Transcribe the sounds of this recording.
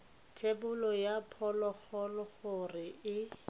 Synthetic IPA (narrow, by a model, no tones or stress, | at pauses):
tʰebʊlɔjapʰɔlɔk͡xɔlɔɣʊrɪɪ